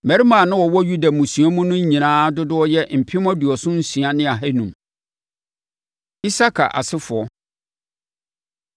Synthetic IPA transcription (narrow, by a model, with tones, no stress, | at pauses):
mɛ̃˨ɾi˦mãː˨nʊ̃˦wɔ˨wɔ˦ju˦da˨mũ˨sɥ̃a˦mũ˦nʊ̃˦ɲĩ˨nãː˦dʊ˦dʊ˦ɔ˦jɛ˦m̩˨pʰɪ˦m˦ɔ̃˦du˨ɔ˨sʊ̃˦n̩˦sɥa˦nɪ̃˦a˨ɦɛ˦nũ˨m | i˦sa˦kʰa̰˨ʔa̰˨sɪ˦fʊ˨ɔ˦